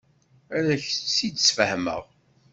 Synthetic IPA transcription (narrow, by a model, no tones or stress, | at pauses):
æɾæçsid̪sfəhmə̰ʁ